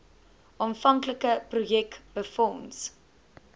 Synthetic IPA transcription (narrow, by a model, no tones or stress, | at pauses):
ʔɔnfɐŋkləkəprujɛkb̥əfɔns